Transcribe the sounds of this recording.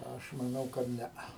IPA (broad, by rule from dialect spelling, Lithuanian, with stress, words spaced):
ˈɐʃ mɐˈnɐʊ kɐt ˈnʲɛɐ